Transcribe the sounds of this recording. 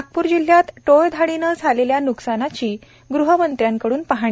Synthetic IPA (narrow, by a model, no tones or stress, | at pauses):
ak̚puːɾd͡ʑil̤ːjat̪ʈojd̪ʱaɽinəd͡zʱaleljanuksanat͡ɕiː | ɡɾuɦəmənt̪ɾjaŋkəɽuːnpaɦaɳ̃i